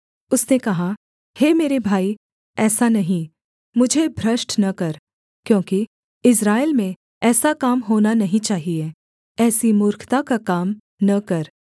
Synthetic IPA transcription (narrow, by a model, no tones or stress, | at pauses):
ʊsnekɐɦa | hemeːɾebʱaːi | ɛːsanɐɦĩ | mʊd͡ʒʱebʱɾɐʃʈnɐkɐɾ | kjõːki | ɪs̬ɾaːelmẽ | ɛːsakaːmɦoːnanɐɦĩt͡ʃaːɦie | ɛːsimʊːɾkʰt̪akakaːm | nɐkɐɾ